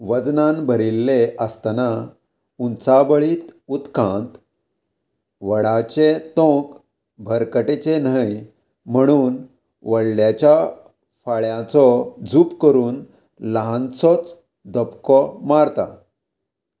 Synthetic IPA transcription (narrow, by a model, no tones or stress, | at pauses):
ʋəd͡znanbʱəɾilːeəst̪ana | unt͡sabəɭiːt̪ut̪kãnt̪ | ʋəɽat͡ɕet̪õk | bʱəɾkəʈet͡ɕenaj | m̤əɽ̃uːn | ʋəɽljat͡ɕja | faɭjãt͡sɔd͡zuːpkəɾuːn | ləɦãnt͡sɔt͡s | d̪əpkɔmaɾt̪a̰